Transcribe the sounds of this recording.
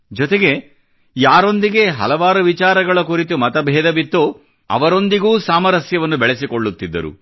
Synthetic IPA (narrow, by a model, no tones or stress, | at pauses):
d͡ʒɔt̪eɡe̞ | jaːɾo̞nd̪iɡe̞ɦɐ̰lɐʋaːɾuʋit͡ʃaːɾɐɡɐɭɐkuɾit̪umɐt̪ɐbʱɛːd̪ɐbit̪ːu | ɐ̰ʋɐɾo̞nd̪iɡuːsaːmɐɾɐsjɐʋɐnːubɛɭesikoɭːut̪ːid̪ːɐ̰ɾṵ